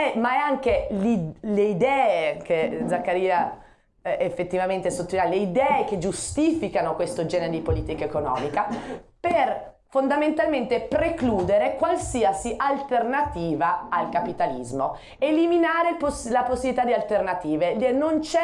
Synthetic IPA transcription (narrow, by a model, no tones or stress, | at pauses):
ɛmaɛaŋkelileid̪ɛːekʰed̪zakːaɾiːa | efːet̪ːivament̪esot̪ːoaleid̪ɛːeked͡ʒust̪iːfikanokwest̪od͡ʒɛːneɾed̪ipoliːt̪ikaekonɔ̰ːmikaper | fond̪ament̪alment̪epɾekluːd̪eɾekwalsiasiʔalt̪ernat̪iːvaalkapit̪alḭzmo | eliminaːɾeposlaposːibilit̪ad̪ialt̪ernat̪iːveld̪iɾenont͡ʃɛ